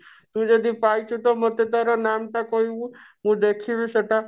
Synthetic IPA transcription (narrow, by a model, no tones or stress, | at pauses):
t̪ũd͡ʒɔd̪ipajt͡ʃʰut̪ɔmət̪et̪aɾɔnamt̪akɔɦibũɦũd̪ekʰiʋesəʈa